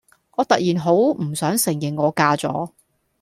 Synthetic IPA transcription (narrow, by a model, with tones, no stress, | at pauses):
ŋɔː˨˧t̪ɐ˨k̚jiː˨˩nɦo˨˥wm̩˨˩sœː˨˥ŋsɪ˨˩ŋjɪ˨˩ŋːɔː˨˧kaː˧t͡sɔ̰ː˨˥